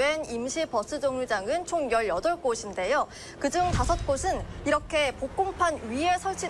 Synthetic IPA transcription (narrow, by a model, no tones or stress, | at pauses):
enimɕʰipʌs͈ʰɯd͡ʑʌŋud͡ʑaŋɯnt͡ɕʰoŋjʌɭjʌdʌɭk͈oɕʰinde̞jo | kɯd͡ʑuŋtasʰʌt̚k͈osʰɯniɾʌkʰe̞pok͈ompʰanɥiesʰʌɭt͡ɕʰi